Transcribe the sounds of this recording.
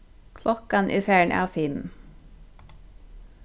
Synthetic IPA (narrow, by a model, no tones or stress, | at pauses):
kʰlʔɔkɑnʔḭːfjæːɳʔɑ̰ːfɪm